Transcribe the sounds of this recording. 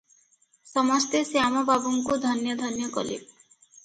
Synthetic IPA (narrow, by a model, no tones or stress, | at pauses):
sɔmɔst̪eseamɔbaboŋkud̪ʱɔnjɔd̪ʱɔnjɔkɔ̰lḛ